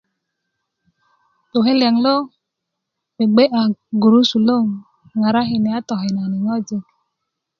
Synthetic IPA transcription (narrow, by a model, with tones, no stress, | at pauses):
to˨ɦe˦lja˨ŋ˨lo˦ | me˨ɡ͡be˦ʔa˨ɡu˨ɾu˦su˨lo˦˨ŋ˨ | ŋa˨ɾa˦ɦi˨ne˨a˦tɔ˨ɦe˨na˨ni˨ŋɔ˦d͡ʒe˧